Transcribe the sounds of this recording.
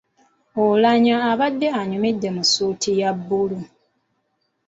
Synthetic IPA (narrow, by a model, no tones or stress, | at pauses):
olaɲaːβadːeaɲumidːe̞musuːtʰijabːulu